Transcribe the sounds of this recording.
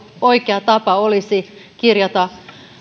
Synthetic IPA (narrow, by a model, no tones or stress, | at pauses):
oikeɑt̪ɑpɑolisikirjɑt̪ɑ